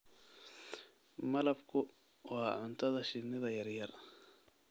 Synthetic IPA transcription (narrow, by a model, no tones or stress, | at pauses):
mɐlɐbkʰʊ | wɑːʕʊnt̪ʰɐðɐʃɪnɪðɐjɐrjɐr